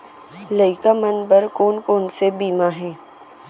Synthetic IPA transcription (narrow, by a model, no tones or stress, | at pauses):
ləɪkamənbəɾkoːnkoːnsebiːmaɦɛ̃ː